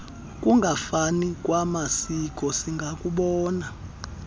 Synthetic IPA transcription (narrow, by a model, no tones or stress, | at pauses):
kʼuŋɡʱafanikʼwamasik̬ʼɔsiŋɡʱakʼuɓɔːna